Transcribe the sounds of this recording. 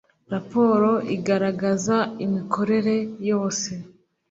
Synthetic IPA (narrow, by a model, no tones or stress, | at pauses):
ɾapo̞ːɾo̞ʔiɡaɾaɡazaimikʰo̞ɾe̞ɾe̞jo̞ːse̞